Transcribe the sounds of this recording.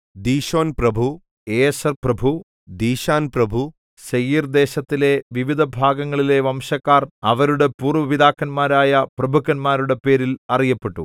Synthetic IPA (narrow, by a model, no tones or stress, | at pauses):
d̪iːɕo̞ːnprɐbʱu | eesɐrprɐbʱu | d̪iːɕaːnprɐbʱu | sɐjiːrd̪e̞ːɕɐt̪ːile̞ʋiʋid̪ʱɐbʱaːɡɐŋːɐɭile̞ʋɐmɕɐkːaːrɐʋɐɾuɽe̞puːrʋɐʋid̪aːkːɐnmaːɾaːjɐprɐbʱukːɐnmaːɾuɽe̞pe̞ːɾilɐrijɐpːe̞ʈːu